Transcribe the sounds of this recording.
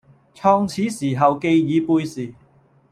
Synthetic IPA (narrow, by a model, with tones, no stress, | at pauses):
t͡sʰɔː˧ŋt͡sʰiː˨˥siː˨˩ɦɐ˨wke˧jjiː˨˧puː˧jsiː˨˩